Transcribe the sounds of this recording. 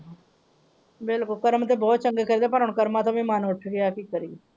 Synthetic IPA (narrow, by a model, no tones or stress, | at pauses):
bɪlkʊlkəɾmt̪eːbɔːt̪̚t͡ʃəŋɡeːkəɾd̪eːpəɾʊɳkəɾmãːt̪ãːʋĩːmaːnʋəʈʰːɡɪjaːkiːkəɾiː